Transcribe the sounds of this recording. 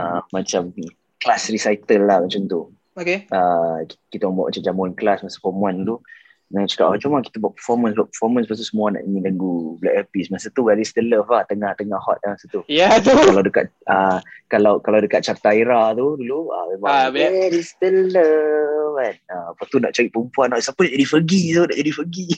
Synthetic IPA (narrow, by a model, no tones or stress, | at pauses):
əmat͡ʃam | klasrisajt̪əlːahmat͡ʃamt̪u | okeakit̪ambua̰ʔ̚mat͡ʃamd͡ʒamuɛnklasmasə̥fɔmuant̪u | nat͡ʃḁkaʔɔt͡ʃumaki̥t̪abuaʔpəfɔmə̃nsbuaʔpəfɔmə̃nspast̪usəmuana̰ʔəɲĩləŋɡublɛk̚ɛpismasat̪uwɛɾist̪ələfaht̪əŋaht̪əŋahɔ̰t̪̚amasat̪ujat̪ukalawdəka̰t̪̚əkalawkalawdəkat̪̚t͡ʃart̪aiɾat̪uduluəwebaɛɾist̪ələfanəpət̪una̰ʔt͡ʃaɾiʔpəəmpuanasapənaʔd͡ʒadifəɡit̪una̰ʔd͡ʒadifəɡi